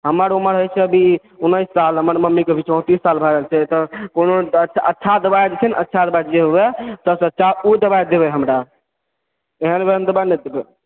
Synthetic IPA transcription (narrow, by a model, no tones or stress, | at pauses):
ɦəməɾuməɾɦojt͡ʃʰɛəbʱi | unːəɪsːalɦəməɾməmːikebʱit͡ʃɔ̃t̪isːalbʱaɾəlt͡ʃʰɛt̪ɔkonoət͡ʃʰətːʃʰad̪əbajd͡ʒet͡ʃʰɛnʔə̰tːʃʰad̪əbajd͡ʒeɦobɛt̪əsətːt͡ʃaud̪əbajd̪ebɛɦəmɾa | eɦənbeɦənd̪əbaned̪ebɛ